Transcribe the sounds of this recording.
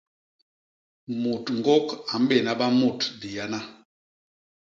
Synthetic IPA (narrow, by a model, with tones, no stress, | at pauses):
mu˨tŋ˨ɡɔ˦ka˨m̩˦bɛ˦˨na˦ba˦mu˦˨tdi˨ja˦na˦